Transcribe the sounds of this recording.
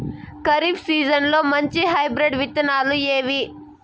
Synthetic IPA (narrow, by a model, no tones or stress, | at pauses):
kɐɾiːpsiːd͡ʒɐnlo̞ːmɐɲt͡ʃiɦɐjbɾeɖʋit̪ːɐnaːlueːʋi